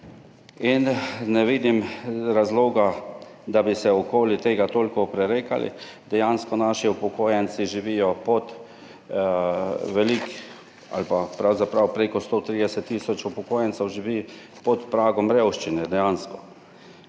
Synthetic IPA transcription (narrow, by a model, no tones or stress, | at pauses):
innɛʋiːd̪imɾazloːɡa | d̪abisɛɔkoːlit̪eːɡat̪oːlkɔpɾɛɾeːka̰lḭ | d̪ɛjanskɔnaʃiupɔkoːjɛnt͡ssiʒiʋijɔpɔt̪ | ʋɛlik | a̰lpapɾawzapɾawpɾeːkɔst̪ot̪ɾiːd̪ɛsɛt̪ːiːsɔt͡ʃupɔkoːjɛntsɛwʒiʋi | pɔt̪pɾaːɡɔmɾewʃt͡ʃinɛd̪ɛjanskɔ̥